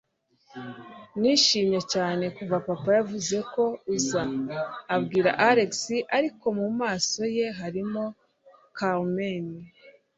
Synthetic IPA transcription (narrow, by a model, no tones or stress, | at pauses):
niːʃiːmɲe̞caːne̞kuvapapajavuze̞ko̞uzaː | bɡiːɾa̰ʔaɾe̞ksiʔaɾiko̞mumaːso̞je̞ɦaɾimo̞ | kameni